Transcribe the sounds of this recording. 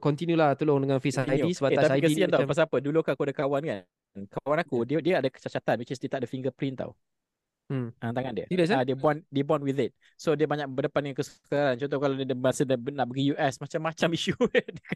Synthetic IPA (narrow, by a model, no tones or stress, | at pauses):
kɔnt̪injulaht̪əlʊŋdəŋanfisaijisəbaet̪at̪apikəiiant̪awpas̬apədulukaakuadəkawanka | nkawanakudiədiəadəkə̥t͡ʃat͡ʃat̪anwit͡ʃisdiət̪aʔ̚dəfiŋɡəpɾint̪a̰w̩ | ʔãt̪aŋãndiə̰iləsaadəbɔndebɔnwiðɪt̪̚ | sodiəbaɲakbədəpandəŋãnkəskaɾant͡ʃɔnt̪̬ɔhkaladədəməasədənaʔ̚bəɡijuʔɛsmat͡ʃamːat͡ʃamiʃudk